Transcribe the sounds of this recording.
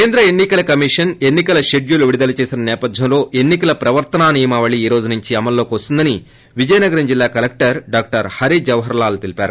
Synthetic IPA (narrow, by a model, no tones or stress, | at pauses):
keːnd̪ɾɐenːikɐlɐkɐmiʂɐne̞nːikɐlɐʃeɖjuluʋiɽid̪ɐlɐt͡ʃe̞ːsinɐnɛːpɐd̪ʱjɐmlo̞ːʔe̞nːikɐlɐpɾɐʋɐɾt̪ɐnaːniːjɐmaːʋɐɭiiːɾo̞ːd͡ʒunuɲt͡ʃiɐmɐlːo̞ːkiʋɐst̪und̪ɐni | ʋid͡ʒɐjɐnɐɡɐɾɐmd͡ʒilːaːkɐlek̚ʈɐɾɖaːk̚ʈɐɾhɐɾid͡ʒɐʋɐɦɐɾɐlaːlut̪ilipaːɾu